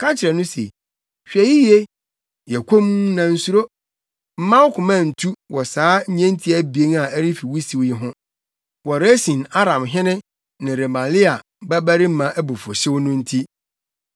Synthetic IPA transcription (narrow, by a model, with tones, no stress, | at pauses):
kʰã˦t͡ɕʰɪ˨ɾɛ˨nʊ̃˦sḛ˨ | ɕᶣɛ˨ji˦je˦ | jɛ˨kʰʷõ˦m˦nã˨n̩˦su˦ɾo˦ | m̩˦mã˦wkʰʊ̃˨mã˦˨n̩˨tʰu˦wɔ˨saː˨˦ɲ̩˦ɲɛ̃˦n˦tʰi˦æ˦bi˨e˦na˨æ˦ɾi˦fi˨wu˦si˨wjɪ˦ɦʊ̃˦ | wɔ˨ɾe˦sĩ˨na˦ɾã˨mɦɪ̃˦nɪ̃˦ | nɪ̃˨ɾe˨mã˨lɪ˦a˨ | bæ˦bæ˦ɾi˦m̩˦mã˨ʔæ˦bu˨fo˨ɕɪ˦wnʊ̃˦n̩˦tʰi˦